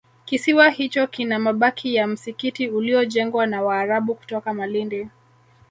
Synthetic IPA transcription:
kisiwahit͡ʃɔkinamaɓakʰijam̩sikitiuliɔʄɛŋɡwanawaːɾaɓuku̥tɔkamalindi

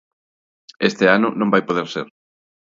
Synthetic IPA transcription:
est̪eanʊnõmbajpoðeɾseɾ

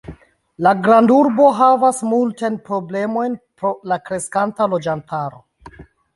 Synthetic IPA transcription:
laɡɾanduɾbo̞ɦavasmultanpɾo̞ble̞mo̞jnpɾo̞lakɾe̞skantalo̞d͡ʒantaɾo̞

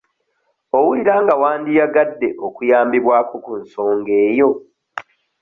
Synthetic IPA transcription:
owuiɾaːŋɡawaːndijaɡadːeʔokujaːmbiβwaːkokunso̞ːŋɡe̞ːjo̞

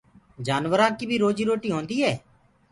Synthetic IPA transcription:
d͡ʒaːnʋəɾãːkiːbʱiːɾoːd͡ʒiːɾoːʈiːɦõːnd̪iːɦɛː

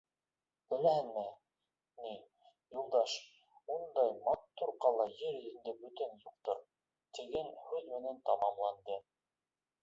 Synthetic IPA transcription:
bɘ̆læhɘnmɘ | ni | julˠd̪ɑʃ | und̪ɑjmɑt̪ːuɾqɑlˠɑjɘɾĭɘ̆nd̪ɘbɵ̆t̪ɘnjuq̚t̪oɾ | t̪ɘ̆ɡɘnhʉðmɘ̆nænt̪ɑmɑmlˠɑnd̪ɤ

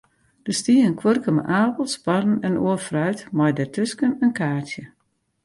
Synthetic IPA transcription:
d̥əstiəənkʰwørkəmə̰ʔaːpəlˠsparn̩ɛnoəfrœɥtmɔjdətʰøskənənkʰaːtjə

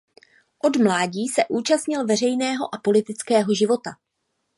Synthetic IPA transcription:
ʔo̞dmlaːɟiːsɛʔuːt͡ʃast̪ɲɪlvɛrɛjnɛːɦo̞ʔapo̞lɪt̪ɪt͡skɛːɦo̞ʒɪvo̞t̪a

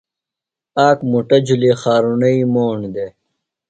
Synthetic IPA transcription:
aːkmuʈɐd͡ʑulexaːɾunɐimoːɳd̪e

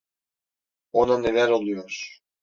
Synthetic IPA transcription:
onanevæɾo̞lˠujoɾ̥

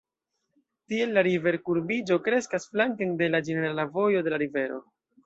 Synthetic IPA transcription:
tie̞lːaɾive̞ɾkuɾbid͡ʒo̞kɾe̞skasflaŋkende̞lad͡ʒene̞ɾalavo̞jo̞de̞laɾive̞ɾo̞̰

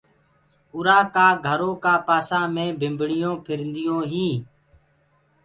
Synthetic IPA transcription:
ʊɾaːkaːɡʱəɾõːkaːpaːsãːmẽːbʱɪmbɽɪjõːpʰɪɾnd̪ɪjõːɦĩː

